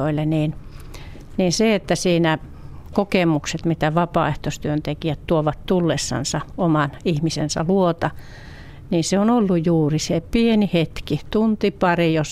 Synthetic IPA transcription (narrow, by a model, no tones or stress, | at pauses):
oilːeniːn | niːnseet̪ːæsiːnæ | kokemukset̪mit̪æʋɑpɑ̰ːˑeht̪ost̪yønt̪ekijæt̪t̪uoʋɑt̪t̪ulːesːɑ̰nsɑomɑnihmisḛnsɑ̰luot̪ɑ | niːnseonolːujjuːrisepienihet̪kit̪unt̪ipɑrijos